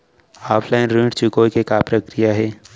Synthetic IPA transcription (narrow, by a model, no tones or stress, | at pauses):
aːpʰlaɪnɾĩʈt͡ʃukoːikekapɾəkɾijaɦɛː